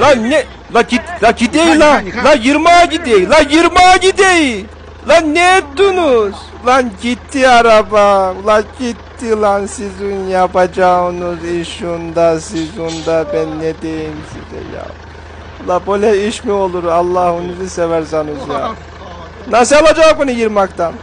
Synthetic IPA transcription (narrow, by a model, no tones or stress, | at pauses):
lanɛ | lˠaiaɟid̪ejlalajiɾmaːɟid̪ejlajiɾmaːɟid̪eji | lˠanːɛet̪ːunuz̥ | lˠanɟit̪ʰːiaɾabalˠaɟit̪ːilˠansizunjapad͡ʒaɯnuziʃund̪asizund̪abænːɛd̪ejinsḭd̪ɛ̰ja̰ | ulˠabolʲaiʃmio̞lˠuɾalˠːahunuzɯsevæɾsanɯzja̰ | nasialˠad͡ʒamunijiɾmakt̪ʰan